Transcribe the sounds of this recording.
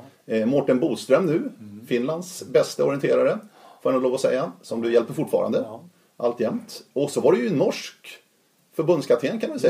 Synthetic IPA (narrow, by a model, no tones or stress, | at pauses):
mɔʈːənbuːst̪ɾœmnʉ̟ːfɪnland̪sbɛst̪əɔɾɪɛnt̪ʰeːɾaɾəfœnɔdloːvɔsɛ̰jːasɔmd̪ɵjɛlpəɾfʊʈːfɑ̰ːɾa̰nd̪ə | ʔa̰lt̪jɛmt̪ɔsɔvaɖɛjɵnːɔʂk | fœɾbɵnd̪skʰaʈ̪ʰɪenkʰanvɪsɛ